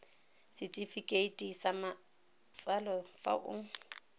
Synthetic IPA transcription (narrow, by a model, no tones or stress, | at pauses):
sɪtʼifikʼeitʼisama | t͡sʼalɔfa̰ʔʊ̰